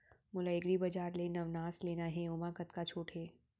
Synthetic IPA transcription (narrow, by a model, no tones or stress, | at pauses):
mʊlaɪɡɾibɐd͡ʒaːɾlenɐʋnaːsleːnaɦɛʊmakɐt̪kat͡ʃʰoːʈʰɦeː